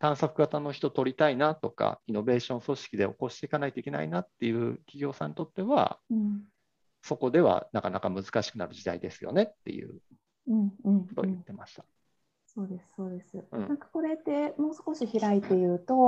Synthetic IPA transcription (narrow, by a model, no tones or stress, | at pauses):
t̪ãɰ̃sakɯ̟ɡat̪ano̞çʲi̥t̪o̞t̪o̞ɾʲit̪ainat̪o̞ka̰ino̞be̞ːɕõ̞ɰ̃so̞ɕi̥kʲid̪e̞o̞̰ko̞ɕi̥t̪e̞ikanait̪o̞ikʲe̞na̰ḭnat̪ːe̞jɯ̟ːkʲiɡʲo̞ːsãɲ̟it̪o̞t̪ːe̞βa̰ɯ̃ | so̞ko̞d̪e̞βa̰nakanakamɯ̟zɨ̥kaɕi̥kɯ̟naɾɯ̟ʑid̪aid̪e̞sɨjo̞̰ne̞t̪ːe̞̰jɯ̟̰ː | ɯ̟̃ɴk̟ːɴo̥t̪o̞̰jɯ̟t̪ːe̞maɕi̥t̪ḁ | so̞ːd̪e̞sɨ̥so̞ːd̪e̞sɨɯ̟̃ːnãkḁko̞ɾe̞t̪ːe̞mo̞ːsko̞ɕiçiɾait̪ːe̞jɯ̟ːt̪o̞